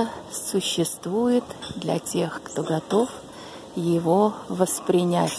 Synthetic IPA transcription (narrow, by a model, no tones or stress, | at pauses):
sʊɕːɪst̪vujɪt̪d̪lʲɐ̰tʲe̞xkt̪o̞ɡɐt̪o̞f | jɪvo̞vəspɾʲɪnʲætʲ